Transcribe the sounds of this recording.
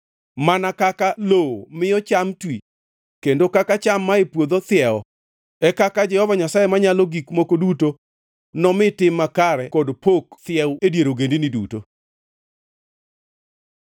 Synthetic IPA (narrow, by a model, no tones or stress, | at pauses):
manakakaloomɪjɔt͡ʃamtwi | kendokakat͡ʃamːaepwod̪ot̪ɪjɛɔ | ɛkakad͡ʒɛhɔvaɲasajemaɲalɔɡikmokoduto | nɔmɪtɪmːakaɾɛkɔdpokt̪ɪjɛwedjeɾoɡendinidṵto